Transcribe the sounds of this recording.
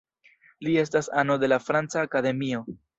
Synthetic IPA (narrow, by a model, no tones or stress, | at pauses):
lie̞stasano̞de̞lafɾant͡saːkade̞mio̞